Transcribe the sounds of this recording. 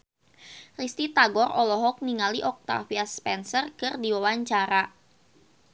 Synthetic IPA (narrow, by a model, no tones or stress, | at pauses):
rist̪it̪aɡɔrʔɔlɔɦɔk̚niŋaliʔɔk̚t̪a̰fiaspɛnsərkɨrdiwawaɲt͡ʃaɾa